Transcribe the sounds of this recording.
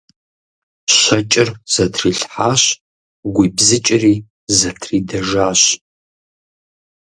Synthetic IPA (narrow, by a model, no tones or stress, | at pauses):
ɕɐt͡ʃʼɪrz̥ɐtʰriːɬħaːɕ | ɡʷiːbzɨt͡ʃʼɪriː | zɐtʰriːdɐʒaːɕ